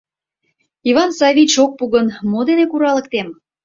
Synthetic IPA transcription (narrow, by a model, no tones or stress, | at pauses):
ivɑnsɑβit͡ɕok̚puɣənmod̪enekuɾɑlə̆kt̪em